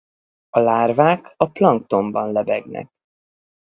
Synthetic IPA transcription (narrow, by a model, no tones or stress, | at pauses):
ɒlaːrvaːkɒplɒŋk̚t̪o̞mbɒnlɛbɛɡnɛ̰k̚